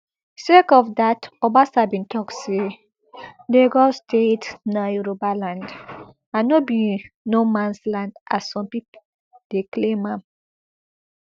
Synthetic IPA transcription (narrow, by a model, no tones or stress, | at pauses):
sekɔfdatɔbasabĩntʰɔkse | deɡɔstʰetnajuɾobalãnd | anɔbĩnomãnslãndʔassɔ̃mpip | d̥eklẽmãm